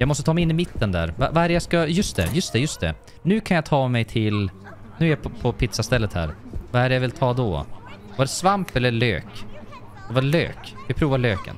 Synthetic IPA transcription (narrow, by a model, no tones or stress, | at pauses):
jɑaɡmɔst̪ət̪ʰɑːmɛjɪnːɪmɪt̪ʰːənd̪æ̰ɾva̰vaæːɾəjaskajɵst̪̚ɛ̰jɵst̪ɛjɵst̪̚d̪ɛ̰ | nʉ̟ːkʰanjat̪ʰɑːmɛjt̪ʰɪl | nʉ̟ːæɾjapʰɔpʰɪt̪sast̪ɛlːət̪hæ̰ːɾvaæɖjavɪlt̪ʰɑːd̪ɔ̰ | vaɖɛsvampɛlːəɭø̰ːk | d̪̥ɛvaɾlø̰ːkvɪpʰɾuːvaɭøːkə̰n